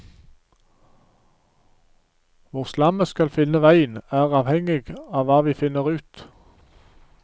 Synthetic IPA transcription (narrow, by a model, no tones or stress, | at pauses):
ʋʊʁslɑməskɑlfɪnəʋæɪənæːʁɑːʋhɛŋɪɡɑːʋɑːʋiːfɪnəʁʉːt̪